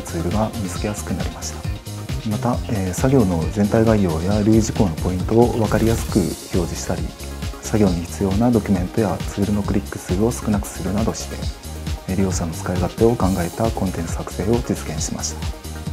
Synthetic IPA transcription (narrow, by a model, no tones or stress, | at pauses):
t͡sɨːɾɯ̟ɡamʲizɨ̥kʲe̞jasɨ̥kɯ̟naɾʲimaɕi̥t̪ḁ | mat̪aeːsaɡʲo̞ːno̞zẽ̞nt̪aiɡaijo̞ːjaɾɯ̟ːʑiko̞ːno̞po̞ĩnt̪o̞ːβakaɾʲijasɨ̥kɯ̟ço̞ːʑiɕi̥t̪aɾʲḭ | saɡʲo̞ːɲ̟içi̥t͡sɨjo̞ːnad̪o̞kʲy̟mẽ̞nt̪o̞jat͡sɨːɾɯ̟no̞kɯ̟ɾʲikːɯ̟̥t͡sɨːo̞sɨ̥kɯ̟nakɯ̟̥sɨɾɯ̟nad̪o̞ɕi̥t̪e̞̰ | ɾʲio̞ːsano̞t͡sɨ̥kaiɡat̪eo̞kãŋɡae̞t̪akõ̞nt̪ẽ̞ɰ̃sɨ̥hakɯ̟̥se̞ːo̞d͡ʑit͡sɨ̥ɡẽ̞ɰ̃ɕima̰ɕi̥t̪ḁ